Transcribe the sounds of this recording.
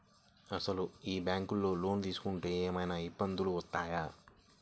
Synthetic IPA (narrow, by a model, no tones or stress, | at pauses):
ɐsɐluiːbjaːŋkulːoːloːnd̪iːsu̥kuɳʈeːeːmɐjnɐibːɐnd̪ʱuluot̪ːaːja